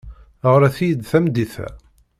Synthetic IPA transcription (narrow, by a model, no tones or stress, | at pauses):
əʁɾæθijd̪θæmd̪iθæ̰